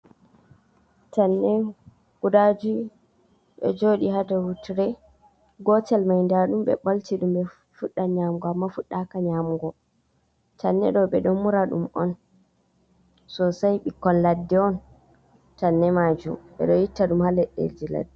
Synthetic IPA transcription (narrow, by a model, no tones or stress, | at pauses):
tanːɛ | kudad͡ʒu | ɓɛ̰d͡ʒoɗihadawutiɾɛ | ɡɔtɛlmajndaɗumɓɛ̰ɓaltiɗumɓɛ | fuɗːaɲamɡɔamːafuɗːakaɲamuɡɔ | tanːɛ̰ɗɔɓɛɗɔnmuɾaɗṵmɔn | sɔsajɓikɔnladːɛɔn | tanːɛmad͡ʒṵmɓɛ̰ɗɔjitːaɗumhalɛɗːḛld͡ʒila̰dːi